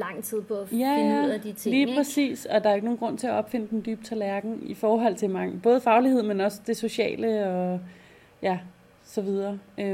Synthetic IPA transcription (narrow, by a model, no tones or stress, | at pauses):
lɑ̈ŋ̰t͡sʰið̞̰ˠpʰɔjææɐd̥it͡sʰeliːpʰʁɛsḭːsɒ̽d̥ɑ̈ɐeɡ̥no̝ːnɡ̥ʁɔ̽n̰t͡sʰe̝æɒ̽b̥fe̝n̰əd̥end̥yːb̥t͡sʰælæɐɡ̥ŋ̩ifɒːɦɒ̽l̰t͡sʰe̝lmɑ̈ŋb̥ɔ̽ːð̞̩ˠfɑ̈ʊlihe̝ð̞̰ˠmenɒ̽sə̥d̥e̝so̝ɕɛ̰ːləɒ̽ | jæ | sɒ̽ʋiðˠɐːø